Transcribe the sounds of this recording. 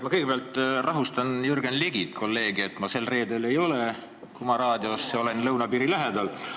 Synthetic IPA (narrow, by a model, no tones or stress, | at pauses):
mɑkɤjɡebeɑlt̪ˑrɑɦust̪ɑnjurɡ̥enleɡ̥it̪kʰo̞lːe̞ːɡ̥iet̪ːˑmɑse̞lːre̞ːd̪e̞le̞jo̞le̞ | kumɑɾɑːd̪̥ʲio̞sːeo̞le̞nlɤwnɑpiːɾilæɦe̞d̪ɑl